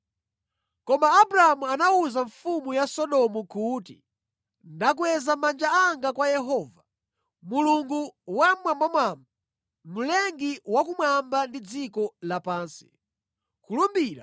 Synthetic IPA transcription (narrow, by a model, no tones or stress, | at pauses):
kɔmaːbuɾaamuanauzaɱfumujasɔɗɔmukuːtḭ | ndak̬wɛzamand͡ʒaaŋɡakwajɛɦɔːva | muluŋɡuwamwambamwaːmba | mulɛŋɡiwak̬umwambandid͡zikɔlapaːnsi̥ | kulumbiːɾa